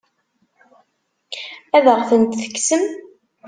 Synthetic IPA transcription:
æðəʁθənt̪θə̥kːsəm

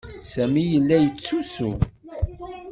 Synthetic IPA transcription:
sæmijəlːæjət͡sːusṵ

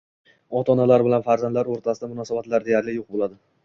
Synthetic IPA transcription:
ɒt̪ʰɒnalaɾbɪlanfaɾzand̪laɾoɾt̪ʰasɪd̪amʊnɒsabat̪laɾd̪e̞jaɾlɪjoq̚bolˠad̪ɪ

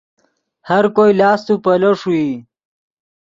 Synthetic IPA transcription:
haɾkojlɑːst̪upɐlɐʂui

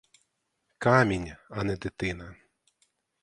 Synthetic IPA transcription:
kɑmʲinʲɐnɛd̪ɪt̪ɪnɐ

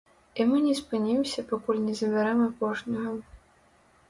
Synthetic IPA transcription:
imɨnʲɛspɨnʲimsʲɐpakulʲnʲɛzɐbʲaɾɛmapɔʐnʲɐɣɐ

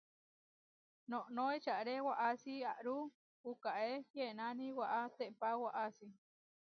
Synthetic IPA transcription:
noʔnoet͡ʃaʔɾewaʔasiaʔɾu | ukaʔejenaniwaʔat̪eʔpawaʔasi

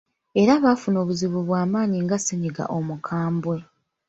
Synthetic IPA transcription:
e̞ɾaβaːfuno̞ːβuziβuβwaːmaːɲiŋɡaseɲiɡa̰ʔo̞mukʰaːmbwe̞

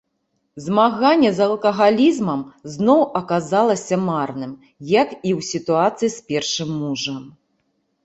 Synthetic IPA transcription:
zmaɣanʲːɛzɐlˠkɐɣalʲizmɐmznɔwʔɐkazalˠɐsʲɐmarnɨm | jɐkiwsʲit̪uat̪sɨjispʲɛrʂɨmːuʐɐm

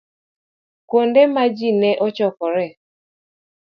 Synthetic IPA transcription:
kondemad͡ʒinɛʔɔt͡ʃɔkɔɾɛ

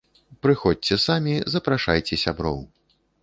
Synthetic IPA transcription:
pɾɨxɔt͡sʲt͡sʲɛsamʲizɐpɾaʂajt͡sʲɛsʲabɾɔ̰w

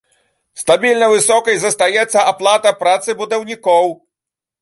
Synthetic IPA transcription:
st̪abʲilʲnɐvɨsɔkɐjzɐst̪ajɛt̪sːɐʔaplˠat̪ɐpɾat̪sɨbud̪ɐwnʲikɔw

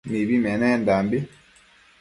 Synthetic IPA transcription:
miβimɛnɛndambi

